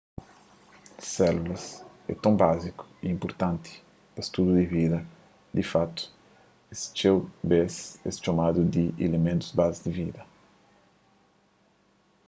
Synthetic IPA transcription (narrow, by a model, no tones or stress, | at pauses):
sɛlulɐs | ɛ̰t̪õbaziku̥iĩmpoɾt̪ãnt̪ʰi̥ | d̥ɐst̪ud̪ud̪ivid̪ɐ | d̪ifat̪u̥ | est͡ʃewbɛsɛ̰st͡ʃomad̪ud̪iʔḛlemẽnt̪uzbazizd̪ivid̪ɐ